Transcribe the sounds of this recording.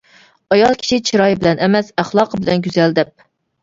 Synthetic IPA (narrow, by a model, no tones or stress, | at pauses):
ɑjɑlˠkʲʰt͡ʃʰit͡ʃʰiɾɑjbɪlɛnʔɛmɛsæχlˠɑːqʰəbɪlɛnɡʲyzɛld̪ɛp̚